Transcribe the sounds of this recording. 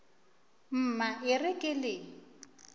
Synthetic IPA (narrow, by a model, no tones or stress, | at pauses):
m̩ːmaʔɪrɪkʼɪlɪ